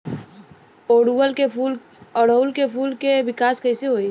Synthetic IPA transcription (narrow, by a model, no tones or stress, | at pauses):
oːɖuwəlkeuːl | ɔːɽolkefuːlkeʋɪkaːskɐːsiɦoːi